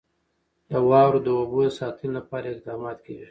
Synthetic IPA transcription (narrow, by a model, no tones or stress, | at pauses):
d̪əwɑɾod̪əobod̪əsɑt̪əllapɑɾaɪqd̪ɑːmɑt̪kawi